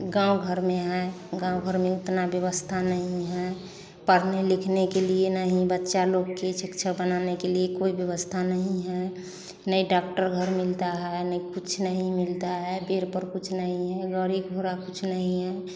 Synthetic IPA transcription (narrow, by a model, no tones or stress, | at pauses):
ɡãuɡʱəɾmẽɦɛ | ɡãːwɡʱəɾmẽʊt̪nabjəβəst̪ʰanəɦĩɦɛ | pəɾnelikʰnekelienəɦĩbətːʃaloɡket͡ʃikt͡ʃʰəbənanekeliekoibjəʋəst̪ʰanəɦĩɦɛ | nəiɖakʈəɾɡʱəɾmilt̪aɦɛnəikut͡ʃʰnəɦĩmɪlt̪aɦɛbeɾpəɾkut͡ʃʰnəɦĩɦɛɡəɾiɡʱoɾakut͡ʃʰnəɦĩɦɛ